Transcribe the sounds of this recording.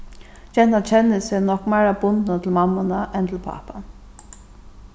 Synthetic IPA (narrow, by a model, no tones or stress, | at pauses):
d͡ʒɛnat͡ʃʰɛnɪsɛnɔkmæːɾabʊnt̪nat̪ʰɪlmamːanaʔɛnt̪ʰɪlpʰa̰ːpan